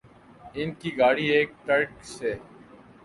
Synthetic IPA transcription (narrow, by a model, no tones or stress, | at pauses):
ɪnkiːɡaːɽiːeːk̚ʈəɾkseː